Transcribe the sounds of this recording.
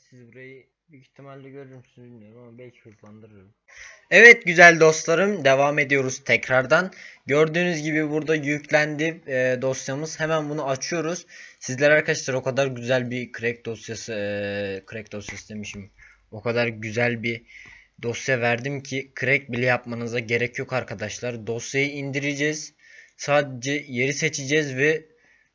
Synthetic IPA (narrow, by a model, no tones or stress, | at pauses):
sizbuɾajɯ | byiçt̪ʰimalʲːɛɟø̞ɾyɾmsynbilʲmijoɾmabɛlʲcʰi̥kʰut̪lˠand̪ɯɾɯɾum | ɛvɛt̪̚ɟyzælʲd̪o̞st̪lˠaɾɯmd̪e̞vaːme̞d̪ijo̞ɾuz̥t̪ʰɛcɾaɾd̪anɟø̞ɾd̪yːnyzɟibibuɾd̪ajycʰlʲænd̪id̪o̞sjamɯz̥hemænbunuat͡ʃʰɯjo̞ɾuz̥sizlʲæɾaɾkʰaʃlˠaɾo̞kʰad̪aɾɟyzælʲbikʰɯɾɛc̚d̪o̞sjasɯkʰɯɾɛc̚d̪o̞sjasɯd̪e̞miʃim | o̞kʰad̪aɾɟyzælʲbid̪o̞sjavæɾd̪imcʰikʰɾɛc̚bilʲɛjapmanɯzaɟe̞ɾɛcjo̞kaɾkʰad̪aʃlˠaɾd̪o̞sjajɯind̪iɾid͡ʒɛz̥ | saːd̪e̞d͡ʒɛje̞ɾise̞t͡ʃʰid͡ʒɛzvɛ